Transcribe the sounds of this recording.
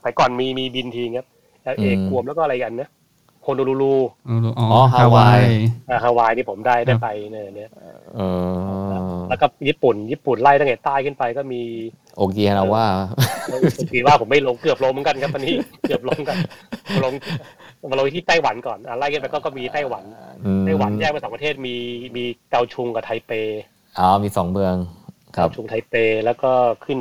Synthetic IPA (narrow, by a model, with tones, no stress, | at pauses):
pʰa˨˦jkɔː˨˩nmiː˧miː˧bi˧nt̪ʰiː˧ŋkʰa˦˥p̚ | ʔaː˨˩ʔʔeː˧ku˧əmlɛ˦˥wkɔː˥˩˧ɾa˧jka˧nna˦˥ | pʰoː˧nuː˧luː˧luː˧˩˧ɔː˦hʰa˧a˧˩waː˧jʔaː˧˩ɦa˧˩waː˧jniː˥˩pʰo˩˦mdaː˥˩jdaː˥˩jpa˧jna˧˩ja˨˩ŋni˦˥ɐʔʔɤː˧a˧ɛ˦˥kɔː˥˩jiː˦˥˩pu˨˩njiː˥˩pu˨˩nlaː˥˩jt̪a˥˩ʔa˨˧˩t̪aː˥˩jkʰɯ˥˩npa˧jkɔː˥˩miː˧ | ʔo˧kiː˧a˧ɾa˧waː˥˩a˧ʔoː˧kiː˧waː˥˩pʰo˩˦mːa˥˩jlo˧˥ŋkɯ˨˩əp̚lo˧mɯ˦ka˧nkʰa˦˥p̚ʔa˧nːiː˦˥kɯ˨˩əp̚lo˧˥˧ŋka˧n˧˩lo˧˥ŋ | a˧wi˧t̪ʰiː˥˩t̪ɛː˥˩jwa˩˦nkɔː˨˩nʔaː˨˩laː˥˩jʰkɯ˥˩pa˧jkɔː˥˩kɔː˥˩miː˧t̪aː˥˩jwa˩˦n˧taː˥˩jwa˨˩˦njɛː˥˩kpsɔː˨˦˧pt̪ʰeː˥˩t̪̚miː˧miː˧ka˧wt͡ɕʰu˧ŋka˨˩t̪ʰa˧jpeː˧ | ʔaː˧˩miː˧sɔ˩˦ŋbɯ˧əŋkʰa˦˧wt͡ɕʰu˧ŋt̪ʰa˧jpeː˧lɛː˦˥wkɔː˥˩kʰɯ˥˩n